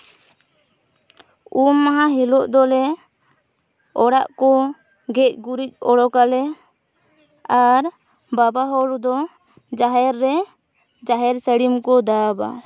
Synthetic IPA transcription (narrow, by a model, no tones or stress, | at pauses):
umːaɦaɦilɔʔd̪ɔlɛ | ɔɽaʔkɔ | ɡɛc̚ˀɡuɾic̚ˀɔɽɔkalɛ | aɾ | babaɦɔɽd̪ɔ | d͡ʒaɦɛɾːɛ | d͡ʒaɦɛɾsəɽimkɔd̪aba̰